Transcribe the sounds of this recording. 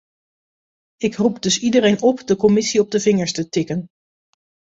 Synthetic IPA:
ɪkrupdɵsidərejnɔpdəkɔmɪsiɔb̚dəvɪŋəɹstətɪkən

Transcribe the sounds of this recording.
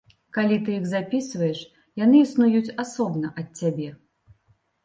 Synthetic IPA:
kalʲit̪ɨjiɣzapʲisvɐjɛʂ | janɨːsnujut͡sʲasɔbnɐʔɐtʲːabʲɛ

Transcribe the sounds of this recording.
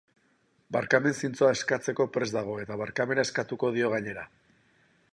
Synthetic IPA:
baɾkame̞nsint͡so̞ae̞skat͡se̞ko̞pɾe̞zd̪aɣ̞o̞e̞t̪aβ̞aɾkame̞nae̞skat̪uko̞ð̞io̞ɣ̞aɲe̞ɾa

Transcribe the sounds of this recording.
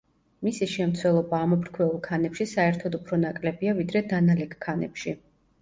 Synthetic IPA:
misiʃɛmt̪sʰwɛlˠɔbaːmɔpʰɾkʰwɛulˠkʰanɛpʃisaɛɾt̪ʰɔd̪upʰɾɔnakʼlɛbiavid̪ɾɛd̪analɛkʰkʰːanɛ̰pʃi

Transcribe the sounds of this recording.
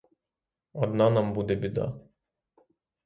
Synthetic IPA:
ɔd̪nanambud̪ɛbʲɪd̪a̰

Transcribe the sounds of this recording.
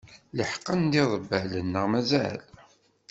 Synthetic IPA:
ləħqːənd̪iðˤəbːælənːəʁmæzæ̰l

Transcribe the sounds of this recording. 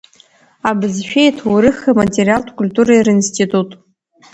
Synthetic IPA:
abɨzʃᶣejtʰwuɾɨχamatʲʼerʲijaltʰkʷulʲtuɾajrinstʰitʼutʼ

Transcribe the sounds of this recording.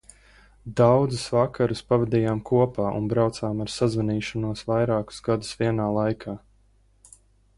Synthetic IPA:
d̪awd̪zusvakaɾuspavɛd̪iːjaːmkʰuɔpaːʔṵnbɾawt̪saːmaɾsazvaniːʃɔnuɔsvajɾaːku̥sɡad̪usviɛnaːlˠajkʰaː

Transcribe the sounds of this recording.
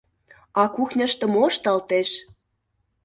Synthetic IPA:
ɑkuxnʲə̆ʃt̪ə̆moʃt̪ɑlt̪eʃ

